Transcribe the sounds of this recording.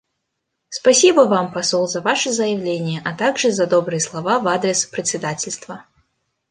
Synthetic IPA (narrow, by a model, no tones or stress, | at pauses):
spɐsʲibəvampɐsolˠzɐvaʂɨzəjɪvlʲenʲɪjəʔɐt̪aɡʐɨzɐd̪obɾɨjəslˠɐvavad̪ɾʲɪspɾʲɪt̪ʲsʲɪd̪atʲɪlʲst̪və